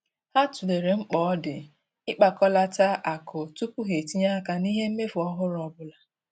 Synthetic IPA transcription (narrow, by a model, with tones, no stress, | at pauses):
ha˦tu˨le˨ɾe˨ŋ͡m̩˦k͡pɔ˨˦dɪ˨ | ɪ˦k͡pa˨kɔ˦la˦ta˦ʔa˨kʊ˨tu˦pʊ˦ɦe˨ti˦ɲa˦ka˦ni˦ɦe˦m̩˦me˦fʊ˨ɔ˦ɦʊ˦ɾɔ˨bʊ˦la˨